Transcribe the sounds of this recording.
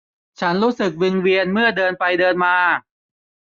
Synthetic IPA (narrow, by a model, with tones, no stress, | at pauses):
t͡ɕʰa˦˥nɾuː˦˥sɯ˨˩k̚wi˧ŋwi˧ənmɯ˥˩ɐdɤː˧npa˧jdɤː˧nmaː˧